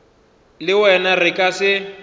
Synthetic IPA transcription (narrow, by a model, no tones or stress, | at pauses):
lɪwɛnarɪkʼasɪ